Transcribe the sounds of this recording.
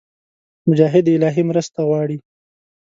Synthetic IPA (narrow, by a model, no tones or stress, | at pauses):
mʊd͡ʒɑːɦɪd̪ɪlɑɦimɾəst̪aɣwɑɽi